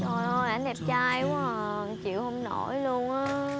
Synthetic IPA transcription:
zɔ˨˩jʔɔ˧˩ʔa˧˩˦ndɛ˨˩p̚t͡ɕaː˧jku˨˦˨ | t͡ɕḭ˧˨əwhə˧wŋ͡mno˧˩jlu˧ənʔaː˨˦

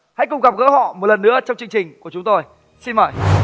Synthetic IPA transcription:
ha̰˧˥jkʊ˨˩ŋ͡mɣa˨˩p̚ɣə̰ː˧˥hɔ̰˧˨mo˨˩t̚lə˨˩nːɨ̰˧˥ət͡ɕɔ˧wŋ͡mt͡ɕɨ˧ŋt͡ɕï˨˩ŋ̟ku˧˩ət͡ɕʊ˨˦ŋ͡mt̪o˧j | si˧nməː˧˩j

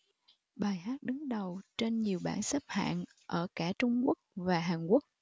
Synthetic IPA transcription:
ɓaː˨˩jɦaː˦˥t̚ɗɨ˨˦ŋɗə˨˩wt͡ɕe˧nɲi˨˩əwɓaː˧˩nsa˦˥p̚ha̰ː˧˨n | ʔəː˧˩kaː˧˩t͡ɕʊ˧ŋ͡mku˦˥ək̚vaː˨˩ɦaː˨˩nku˦˥ək̚

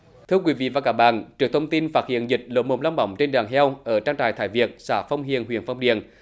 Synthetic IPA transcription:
t̪ʰɨ˧əkwi˧˦˥vḭ˧˨vaː˨˩kaː˧˥k̚ɓa̰ː˧˨nt͡ɕɨ˨˩ək̚t̪ʰə˧wŋ͡mt̪i˧nfaː˦˥t̚hḭ˧˨ənzï˨˩k̟̚lo̰˧˦mo̰˨˩ŋ͡mla˧wŋ͡mɓə̰˧˦wŋ͡mt͡ɕe˧nɗaː˨˩ŋɦɛ˧wʔəː˧˩t͡ɕaː˧ŋt̪aː˧˨˩jt̪ʰaː˧˩jvi˨˩ək̚saː˧˩fə˧wŋ͡mɦḭ˧˨ənɦwḭ˧˨ənfa˧wŋ͡mɗḭ˧˨ən

